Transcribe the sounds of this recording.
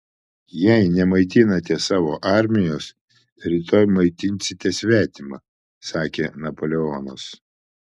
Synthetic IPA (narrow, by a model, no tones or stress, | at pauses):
jɛɪnʲɛmɐɪt̪ʲɪnɐt̪ʲɛsɑːʋoːʔɑɾʲmʲɪjoːs | ɾʲit̪oːjmɐɪt̪ʲɪnʲsʲɪt̪ʲɛsʲʋʲæːt̪ʲɪmɐ | sɑːkʲeːnɐpoːlʲɛoːnɐs